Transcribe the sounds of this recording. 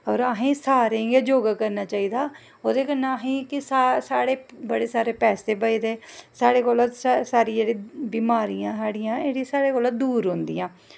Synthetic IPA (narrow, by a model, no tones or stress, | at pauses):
ɔːɾaːɦẽːsaːɾeːɡaːd͡ʒoːɡaːkəɾnaːt͡ʃaːiːd̪aː | oːd̪eːkənaːɦĩːkɪsasaːɽeːbəɽeːsaːɾeːpɛːseːbəiːd̪eːsaːɽeːkoːlat̪ssaːɾiːd͡ʒeːɽiːbiːmaːɾijãːsaːɽɪjãːeːɽiːsaːɽeːkoːlad̪uːɾɦʊ̃nd̪ḭjãː